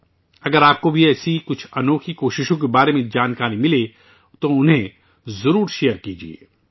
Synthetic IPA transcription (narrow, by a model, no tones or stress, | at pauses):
ɐɡəɾaːp̚kobʱiɛːsikʊt͡ʃʰɐnoːkʰikoːʃɪʃõk̬ebaːɾemẽd͡ʒaːnkaːɾimɪle | t̪oʊnɦẽ | zɐɾuːɾʃeːjəɾkiːd͡ʒḭḛː